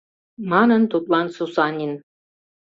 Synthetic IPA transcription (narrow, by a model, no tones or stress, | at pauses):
mɑnə̆nt̪ut̪lˠɑnsusɑnʲin